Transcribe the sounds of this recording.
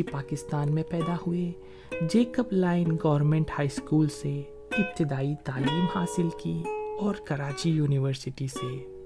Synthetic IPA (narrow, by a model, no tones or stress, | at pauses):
ipaːkɪst̪aːnmẽpɛːd̪aɦʊe | d͡ʒeːkəplaːɪnɡɔːʋəɾmẽɳʈhaːiskuːlse | ɪp̚t̪ɪd̪aːit̪aːliːmhaːsɪlkiɔːɾkɐɾaːt͡ʃijuːnɪʋəɾsɪʈise